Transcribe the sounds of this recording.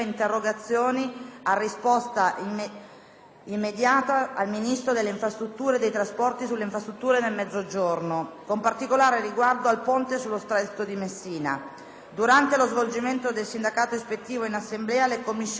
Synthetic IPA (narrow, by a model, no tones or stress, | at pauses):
int̪erːoɡat̪sːjoːniarːispɔst̪a | imːed̪jaːt̪aːlminist̪ɾod̪elːeiɱfɾast̪ɾut̪ːuːɾed̪ejt̪ɾaspɔrt̪isulːeiɱfɾast̪ɾut̪ːuːɾenelmɛd̪zːod͡ʒornokompart̪ikolaːɾeriɡward̪oalpont̪esulːost̪ɾɛt̪ːod̪imesːiːna̰ | d̪uɾant̪elozvold͡ʒiment̪od̪elsind̪akaːt̪oespet̪ːiːvoinasːemblɛːalekomːis